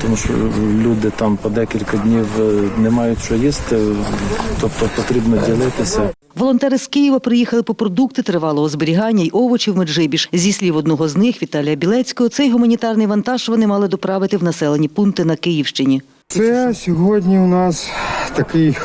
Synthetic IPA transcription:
t̪ɔmuʃɔ̰lʲud̪ɪt̪ɑmpɔd̪ɛkʲilʲkɐdʲnʲiwnɛmɑjʊtʲt͡ʃɔjist̪ɪ | t̪ɔpt̪ɔpɔt̪ɾʲibnɔdʲilˠɪt̪ɪsʲɐ | ʋɔlˠɔnt̪ɛɾɪskɪjiʋɐpɾɪjixɐlˠɪpɔpɾɔd̪ukt̪ɪt̪ɾɪʋɑlˠɔɦɔzbɪɾʲiɦɑnʲːɐiʔɔʋɔt͡ʃʲiwmeʒɪbʲiʃzʲisʲlʲiʋɔd̪nɔɦɔznɪxʋʲit̪ɑlʲijɐbʲilˠɛt͡sʲkɔɦɔsɛjɦʊmɐnʲit̪ɑrnɪjʋɐnt̪ɑʒʋɔnɪmɑlˠɪd̪ɔpɾɑʋɪt̪ɪwnɐsɛlˠenʲipunt̪ɪnɐkɪjiwʃt͡ʃɪnʲi | t̪sɛsʲɔɦɔdʲnʲiwnɑst̪ɐkɪj

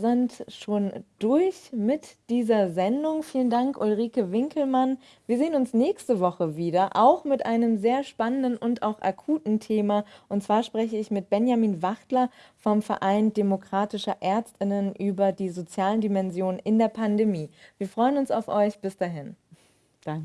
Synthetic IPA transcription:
zɪntʃoːnd̥ʊɐçmɪtd̥iːzɐzɛndʊŋfiːləndaŋkʔolʁiːkəvɪŋkl̩man | viːɐzeːənʊnsnɛːçstəvɔχəviːdɐʔa̰ʊxmɪtʔaɪnəmzeːɐʃpanəndənʔʊntʔa̰ʊxʔakʰuːtn̩tʰeːmaʔʊntt͡sv̥aːɐʃpʁ̥ɛçəɪçmɪt̚b̥ɛnjamiːnvaχtlɐfɔmfɛɐʔaɪndemokʁ̥aːtɪʃɐʔɛɐt͡stɪnənʔyːbɐdiːzot͡sjaːləndimɛnzjoːnnʔɪndeːɐpʰandemiːviːɐfʁ̥ɔʏənʊnsa̰ʊfʔɔʏçb̥ɪsd̥aːɦɪn̥

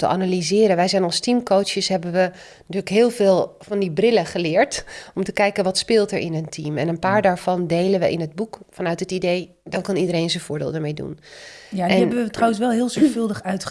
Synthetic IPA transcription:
təʔanalizɪːɾənʋɛjzɛjnɔlˠstimkowsəsɦɛbəʋə | tyːləkɦɪːlˠvɪːlˠfɑndibrɪləχəlɪːɹtɔmtəkɛjkənʋɑtspɪːlˠtəɹʔɪnəntʰimɛ̰nənpaːɹdaːɹvɑndejlənʋəʔɪnɦəd̚bukfɑnœɥtɦətidej | dɑnkɑnidəɾejnzənv̥ʊːɹdɪ̰ːlˠdəɹmejdṵnjaɛɛnbəʋətrawəns̬ʋɛlˠɦɪːlˠzɔɹfɵlˠdəχœɥt

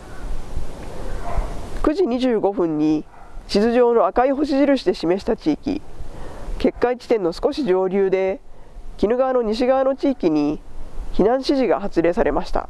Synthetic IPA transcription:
kɯ̟ʑiɲ̟iʑɨːɡo̞ɸɯ̟̃ɲ̟ːi | t͡ɕizɨʑo̞ːno̞akaiɦo̞ɕ̬iʑiɾɯ̟ɕi̥d̪e̞ɕime̞ɕi̥t̪at͡ɕiːkʲḭ | ke̞kːait͡ɕi̥t̪ẽ̞nːo̞sɨ̥ko̞ɕid͡ʑo̞ːɾʲɯːd̪e̞kʲinɯ̟ɡaβano̞ɲ̟iɕ̬iɡaano̞t͡ɕiːkʲiɲ̟içinãɰ̃ɕiʑiɡa̰hat͡sɨɾe̞ːsaɾʔe̞maɕi̥t̪a̰

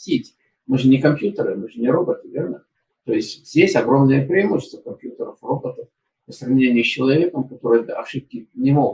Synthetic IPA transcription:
tʲitʲ | mɨʐɨnʲɪkɐmpʲjut̪əɾɨmɨʐɨnʲɪɾo̞bət̪ɨvʲernə | t̪o̞ɪsʲtʲz̥ʲdʲesʲɐɡɾo̞mnəjəpɾʲɪɪmoɕɪst̪vəkɐmpʲjut̪əɾəfro̞bət̪əf | pəsrɐvnʲenʲɪjəst͡ɕɪlˠɐvʲe̞kəmkɐt̪o̞ɾɨj̪ɐʂɨp̚kʲɪnʲɪmo

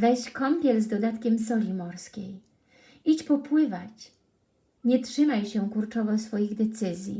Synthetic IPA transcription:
vɛɕkɔmpʲjɛlzd̪ɔd̪at̪kʲɛmsɔlʲimɔɾskʲḛj | it͡ɕpɔpwɘvat͡ɕ | ɲɛtʂɘmajɕɛkuɾt͡ʂɔvɔsfɔjiɣd̪ɛt̪sɘzʲjḭ

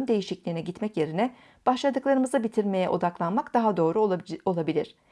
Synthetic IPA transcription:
nd̪e̞jiʃiclʲiːnɛɟit̪mɛcje̞ɾinɛ | b̥aʃlˠad̪ɯklˠaɾɯmɯzabit̪ʰiɾme̞jɛʔo̞̰d̪aklˠanmakd̪̥aɦad̪o̞ːɾuo̞lˠabilʲiɾ̝̥

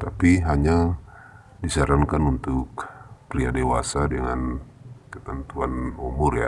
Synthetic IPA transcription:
t̪apiɦaɲa | disaɾaŋkanunt̪ʊkpɾia̰dewasadəŋa̰n | kət̪ənt̪uanumʊɾja̰

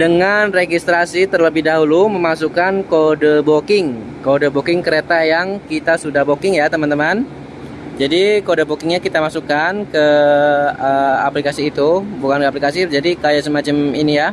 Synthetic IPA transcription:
dəŋanreɡist̪ɾasit̪ərləbɪhdaɦuluməmasukankodəbokɪŋ | kodəbokɪŋkəɾet̪ajaŋkit̪asudahbokɪŋjat̪əmant̪əman | d͡ʒadikodəbokɪŋɲakit̪amasukankə | əa̰plikasiːt̪ubukankaplikasid͡ʒadikajasəmat͡ʃaminija

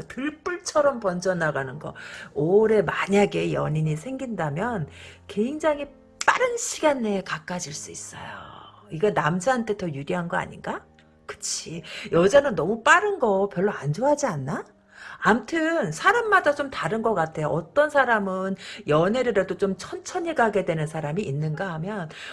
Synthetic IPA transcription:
tɯɭp͈uɭt͡ɕʰʌɾʌmpʌnd͡ʑʌnaɡanɯnɡʌ̰oɾe̞maɲaɡe̞jʌɲiɲisʰe̞ŋɡindamjʌnke̞ŋd͡ʑaŋɦi | p͈aɾɯnɕʰiɡanːe̞kak͈ad͡ʑiɭs͈uis͈ʌ̰jo̰ | iɡenamd͡ʑaantʰe̞tʌjuɾiɦanɡʌa̰ɲḭnɡa | kɯ̥t͡ɕʰijʌd͡ʑanɯnːʌmup͈aɾɯnɡʌpjʌɭːoand͡ʑoɦad͡ʑianːaː | mtʰɯnsʰaɾamːadat͡ɕomtaɾɯnɡʌk͈atʰe̞joʔʌt͈ʌnsʰaɾamɯnjʌne̞ɾɯɾedot͡ɕomt͡ɕʰʌnt͡ɕʰʌɲiɭɡaɡe̞dwe̞nɯnsʰaɾamiːnːɯnɡaamjʌn

